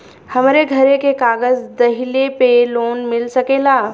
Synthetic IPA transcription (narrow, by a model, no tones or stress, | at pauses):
həmɾeɡʱəɾekekaːɡəzd̪ɐɦilepeloːnmɪlsəkeːlaː